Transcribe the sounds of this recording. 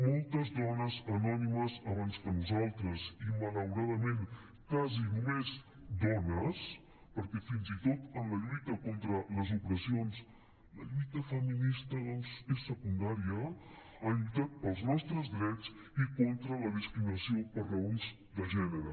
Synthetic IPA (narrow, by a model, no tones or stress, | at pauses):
molˠt̪əzðɔnəzənɔniməzəβanzkənuzalˠt̪ɾəzimələwɾaðəmẽn | kazinumez | d̪ɔnəs | pəɾkɛfinzit̪ot̪ənləʎujt̪əkont̪ɾələzupɾəsions | ləʎujt̪əfəminist̪əðɔnzesːəkund̪aɾiə | əʎujt̪at̪̚pəlˠznɔst̪ɾəzd̪ɾɛt͡s | ikont̪ɾələðiskɾiməsiopəɾrəunz | d̪əʒɛnəɾə